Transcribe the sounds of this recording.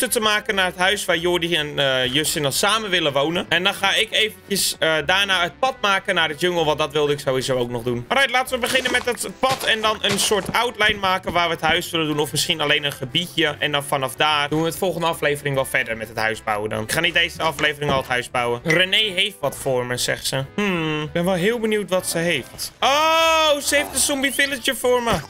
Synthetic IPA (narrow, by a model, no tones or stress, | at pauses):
tətəmaːkənːaːrɦətɦœɥsʋaːrjoːdiɛnəjøsɪnɔlˠsaːməʋɪləʋownənɛndɔnxaːɪkeːvəntjəsədaːnaːət̚pɔtmaːkənardəjøŋəlˠʋɑndɔtʋɪlˠdəɪksowizowowknɔxdunmarɛtlaːtənʋəbəxɪnənmɛtdɔtpɔtɛndɔnʔənsʊːrtʰawtlɛjnmaːkənʋaːrʋəətɦœɥsʋɪləndunɔfmɪsxinaleːnənχəbitjəʔɛndɔnfɑnɑfdaːrdunʋəətfɔlˠχəndəɑfleːvərɪŋʋɛlˠfɛdərmɛtɦətɦœɥzbawədɔ̰nɪkχaːnit̚deːsəɑfleːvərɪŋɔlˠətɦœɥzbawərənejɦejftʋɔtfʊːrməsɛ̰χsəm̩bɛnʋɛlˠɦɪːlˠbənuwtʋɔtsəɦejftosəejftdəsɔmbifɪlət͡ʃəfʊːrmə